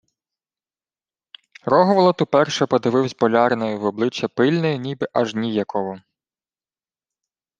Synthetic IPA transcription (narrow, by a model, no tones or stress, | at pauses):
rɔɦɔʋlˠɐt̪ʊpɛrʃɛpɔd̪ɪʋɪwzʲbɔlʲɑɾnɔjʊwɔblˠɪt͡ʃːɐpɪlʲnɔjʊnʲibɪʔɐʒnʲijɐkɔɦɔ